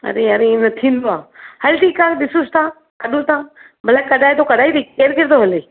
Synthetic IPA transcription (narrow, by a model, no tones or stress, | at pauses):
ɐ̰ɾeːəɾenɐt̪ʰĩːnd̪oaːhɐɾʈʰiːkaːkɗɪsʊst̪ãː | kɐɗũt̪ãː | bəlaːkəɗaːit̪oːkɐɗaːit̪iːkkeːɾkɪɾt̪oɦəleː